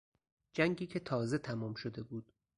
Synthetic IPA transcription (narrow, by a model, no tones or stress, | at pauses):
d͡ʒæŋɟiːcʰe̞t̪ʰɒːze̞t̪ʰæmɒːmʃod̪e̞buːd̪̥